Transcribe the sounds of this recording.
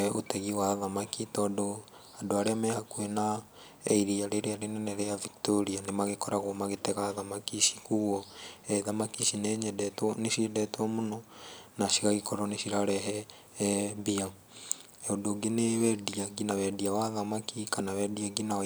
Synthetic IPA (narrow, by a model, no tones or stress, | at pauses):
ɛotɛɣiwaðamakitɔːndo | adoaɾeamɛhakwɛna | ɛiɾiaɾeɾeaɾenɛnɛɾeaviktoɾianemaɣekɔɾaɣwɔmaɣetɛɣaðamakiʃi̥kuɣɔɛðamakiʃineɲɛdɛtɔnesiedɛtwɔmonɔnaʃiɣaɣekɔɾɔneʃiɾaɾɛɦɛ | bia | odoɡenewɛdiaɡinawɛdiawaðamakikanawɛdiaɡina